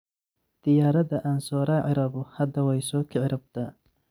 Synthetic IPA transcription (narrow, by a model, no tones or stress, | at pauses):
d̪̥ɪjaːɾɐðɐʔaːnsɔːɾaːʕɪɾɐβʊhɐd̪ɐwɛjsɔːkʰɪʕɪɾɐb̚t̪ʰa